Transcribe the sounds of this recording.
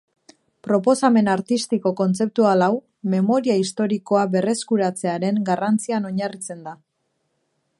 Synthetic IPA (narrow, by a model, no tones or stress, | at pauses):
pɾo̞po̞same̞naɾt̪ist̪iko̞ko̞nt͡se̞p̚t̪ualaw | me̞mo̞ɾiaist̪o̞ɾiko̞aβe̞re̞skuɾat͡se̞aɾe̞ŋɡarant͡siano̞ɲarit͡se̞nd̪a